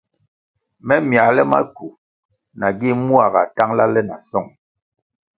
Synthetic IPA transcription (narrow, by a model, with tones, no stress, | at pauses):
mɛ˦mja˨lɛ˦ma̰˦ku˨ | na˨ɡi˦mu˦a˨ɣa̰˨ta˦ŋla˦lɛ˦na̰˨sɔ˦˨ŋ